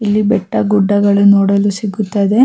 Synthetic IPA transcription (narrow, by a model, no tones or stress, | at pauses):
ilːibɛʈːɐɡuɖːɐɡɐɭunoːɽɐlusiɡut̪ːɐd̪e̞